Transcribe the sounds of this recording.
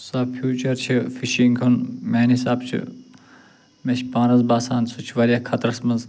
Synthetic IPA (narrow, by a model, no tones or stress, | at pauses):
sɐfʰjuːt͡ʃɐɾt͡ʃʰifiʃiŋkʰunmʲeːnisaːbt͡ʃʰḭ | met͡ʃʰʲpãːɾɐzbaːsãːnsut͡ʃʰʋɐɾʲakʰɐt̪ɾɐsmɐz